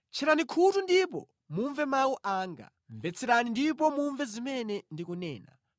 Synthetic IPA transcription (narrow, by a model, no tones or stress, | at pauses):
t͡ʃʰɛɾanikʰutundipɔ | muɱvɛmawuʔaːŋɡa̰ | ɱvɛt͡sʰɛɾanindip̬ɔmuɱvɛzimɛnɛndikunɛ̰ːna̰